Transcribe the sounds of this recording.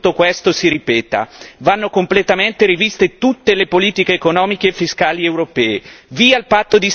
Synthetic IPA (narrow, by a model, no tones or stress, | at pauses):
t̪ːokwest̪osiɾipɛːt̪a̰vanːokomplet̪ament̪eɾivist̪et̪ut̪ːelepoliːt̪ikeːkonɔːmikeːfːiskaːliewɾopɛːeviːalpat̪ːod̪i